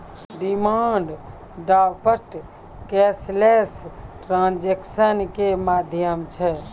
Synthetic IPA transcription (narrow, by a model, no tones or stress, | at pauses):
ɖimaːɳɖ | ɖaːpəɾʈ | kɛslesʈɾãːnd͡ʒeksənkemaːd̪ʱjəmt͡ʃʰɛ